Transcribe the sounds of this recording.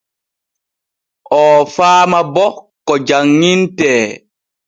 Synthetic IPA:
ʔɔːfaːmabɔkɔd͡ʒaŋːintɛː

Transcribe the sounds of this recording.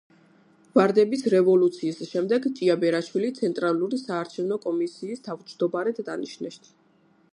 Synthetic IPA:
vaɾd̪ɛbisɾɛvɔlˠut̪sʰiːsʃɛmd̪ɛɡt͡ʃʼiabɛɾaʃwilit̪sʰɛnt̪ʼɾalˠuɾisaːɾt͡ʃʰɛvnɔkʼɔmisiːst̪ʰavt͡ʃʰd̪ɔbaɾɛd̪d̪aniʃnɛʃt̪ʰ

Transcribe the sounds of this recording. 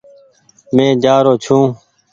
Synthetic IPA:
mẽːd͡ʒaːɾoːt͡ʃʰũː

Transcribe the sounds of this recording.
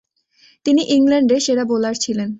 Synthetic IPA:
t̪iniʔiŋlaɳɖeʃeʈabolaɾt͡ɕʰilen

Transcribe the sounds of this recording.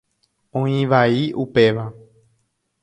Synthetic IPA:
õĩʋaiʔupe̞ʋa

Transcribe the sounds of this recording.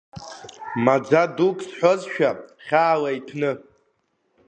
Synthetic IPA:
mad͡zadukʼʰsħʷozʃᶣaχʲaːlaitʰnɨ

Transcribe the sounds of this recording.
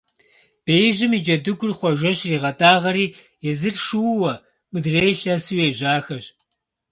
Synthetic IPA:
b̥eːjʒɨmid͡ʒɐdɨɡʷʊrχʷɔʒʷɐɕriːʁɐtʼaːʁɐɾiː | jɛzɨrʃuwwɐ | mɨdreːʃɐːsuweːʒaːxɐɕ

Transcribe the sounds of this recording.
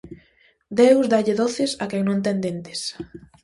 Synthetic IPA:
d̪ewzd̪aʎeðoθɪsakeŋnõnt̪̬ẽnd̪ent̪ɪ̥s

